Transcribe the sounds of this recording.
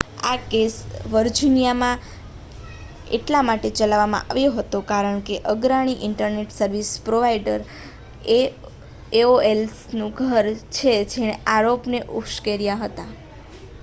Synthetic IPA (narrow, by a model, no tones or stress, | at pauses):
a̰kesʋəɾd͡ʒinijamã | ḛʈlamaʈet͡ʃəlaʋamã̰ʔa̰ʋjoɦət̪okaɾəɳ̃keʔəɡɾaɽ̃iʔɪɳʈəɾneʈsəɾʋispɾoʋaiɖəɾ | e | eoelsnũɡʱəɾt͡ʃʰed͡ʒeñeaɾopneʔukʃkeɾijaɦət̪a